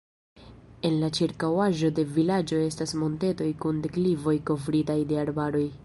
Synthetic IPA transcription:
e̞nlat͡ʃiɾkawaʒo̞de̞vilad͡ʒo̞e̞stasmo̞nte̞to̞jkundeklivo̞jko̞vɾitajde̞aɾbaɾo̞j

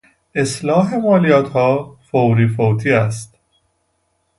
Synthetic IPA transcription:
eslɒːɦe̞mɒːlijɒːt̪ʰhɒːfowɾiːfowt̪ʰiːæst̪

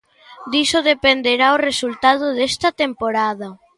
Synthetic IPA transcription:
d̪isoðepend̪eɾaoresult̪að̞ʊðɛst̪ɐt̪empoɾaðɐ

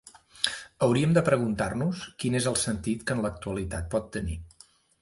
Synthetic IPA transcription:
əwɾiəmd̪əpɾəɣ̞unt̪arnuskinezəlˠsənt̪it̪kənlək̚t̪uəlit̪at̪̚pɔt̪ːəni

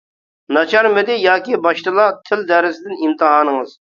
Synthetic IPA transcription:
nɑt͡ʃʰɑɾmɪd̪ɪjɑːkʲibɑʃt̪ɨlˠɑt̪ʰɪld̪ɛɾɪsɪd̪ɪnimt̪ʰɨɦɑːnəŋɨz̥

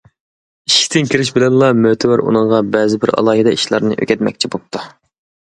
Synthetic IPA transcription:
iʃkʰʲi̥t̪ʰɪnkʲʰiɾɪʃbɪlɛnlˠɑmøt̪ʰɪwæɾṵnɨŋʁɑbɛːzɪbɪɾɑ̰lˠɑːɦɪd̪ɛiʃlˠɑ̰ɾnɨʔø̰kʲɛt̪̚mɛ̰k̚ʲt͡ʃʰibop̚t̪ʰu

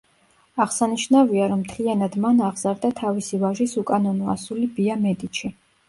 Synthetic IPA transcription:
aʁsaniʃnaviaɾɔmt̪ʰlianad̪manaʁzaɾd̪at̪ʰavisivaʒisukʼanɔnɔa̰sulibiamɛd̪it͡ʃʰi

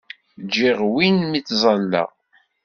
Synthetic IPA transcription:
d͡ʒːiʁwinmit͡sːzˤɑlːɑ̰ʁ

